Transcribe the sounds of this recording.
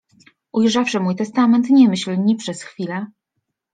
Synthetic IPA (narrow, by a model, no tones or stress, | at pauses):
ʔujʐafʂɘmujt̪ɛst̪amɛnt̪ɲɛmɘɕlɲipʂɛsxfʲilɛ